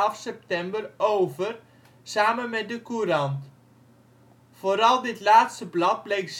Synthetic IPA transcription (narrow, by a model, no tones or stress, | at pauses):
ɑfsɛp̚tɛmbərowvər | saːmənmɛt̚dəkuɾɑnt | foːɾɑlˠdɪtlaːtstəblɑt̚blejks